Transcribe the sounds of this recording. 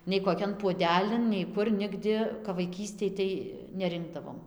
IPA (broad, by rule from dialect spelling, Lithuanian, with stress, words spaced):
nʲɛɪ koːˈkʲɛn puɔˈdʲæːlʲɪn nʲɛɪ ˈkʊr ˈnʲɪɡdʲɪ kɐp ʋɐɪˈkʲiːsʲtʲeːj tɐɪ nʲɛˈrʲɪŋɡdɐʋoːm